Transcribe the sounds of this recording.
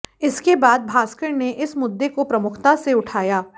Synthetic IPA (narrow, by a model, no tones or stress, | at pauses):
ɪskebaːd̪̚bʱaːskəɾneʔɪsmʊd̪ːekopɾɐmʊkʰt̪aseʊʈʰaːjaː